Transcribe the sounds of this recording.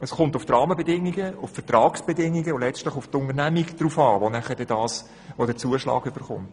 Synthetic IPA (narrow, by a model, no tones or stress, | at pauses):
əsχʊntʊftrɑːməbɛdɪŋːiɡəʊffətrɑːksb̥ɛdɪŋːiɡəolɛt͡stlɪχʊft̪ʊnəɾnæmikd̪̥ɾuːfɑːʋonæχəd̥ɛdɑːs | ʋodɛːɾt͡suəʃlɑ̰ːɡøb̥əɾχʊ̰mt